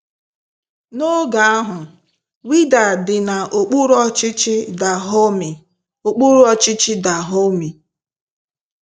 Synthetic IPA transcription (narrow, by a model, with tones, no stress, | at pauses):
no˦ɡa˨a˦ɦʊ˨ | wi˦da˨dɪ˨na˨ʔo˨k͡pu˦ɾɔ˦t͡ʃɪ˦t͡ʃɪ˦da˨ɦo˦mi˨ | o˨k͡pu˦ɾu˦ɔ˦t͡ʃɪ˦t͡ʃɪ˦da˨ɦo˦mi˨